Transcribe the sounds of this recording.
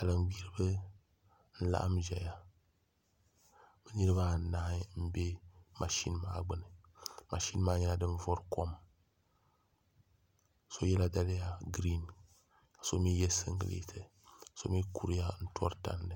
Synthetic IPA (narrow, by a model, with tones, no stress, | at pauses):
a˨lɨ˨n˨wi˦ɾɨ˦bɨ˦ | n̩˦la̰˦ʔa̰˦mʒɛ˨ja˦ | bɛ˦nɨ˦ɾɨ˦ba˦˨n̩˨na˦m̩˦be˦mʔa˨ʃi˦n˦ma̰ː˦ɡ͡bɨ˦nɨ˨ | mʔa˨ʃi˦n˦maː˦ɲɛ˦la˦dɨ˦n˦vɔ˦ɾkɔ˦m | so˦jɛ˦la˦da˦lɪ˦ja˦ɡɾi˦n | ka˨so˦mi˦jɛ˦sɨ̰˦ŋɡɨ̰˦˨lḛ˦tʰɨ˨ | so̰˦mi˦ku˦ɾja˦n̩˦tʰɔ˦ɾta̰˦nːɨ˦˨